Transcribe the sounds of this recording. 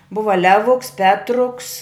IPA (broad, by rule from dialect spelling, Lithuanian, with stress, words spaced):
ˈbʊʋɐ ˈlʲæːʋʊks ˈpʲæːtrʊks